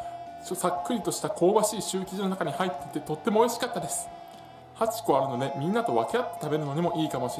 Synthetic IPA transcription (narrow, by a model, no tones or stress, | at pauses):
osakːɯ̟ɾʲit̪o̞ɕi̥t̪akʰo̞ːbaɕiːɕɨːkʲiʑino̞nakaɲ̟ihait̪ːet̪ːe̞t̪o̞t̪ːe̞mo̞ːiɕi̥kat̪ːad̪e̞sɨ̥ | hat͡ɕi̥ko̞aɾɯ̟no̞d̪e̞mʲĩnːat̪o̞βa̰ke̞at̪ːe̥t̪abe̞ɾɯ̟no̞ɲ̟imo̞ʔiːkamo̞ɕi